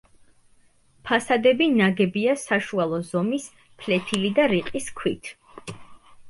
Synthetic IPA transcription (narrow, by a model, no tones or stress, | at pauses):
pʰasad̪ɛbinaɡɛbiasaʃualˠɔzɔmis | pʰlɛpʰilid̪aɾiqʼiskʰwit̪ʰ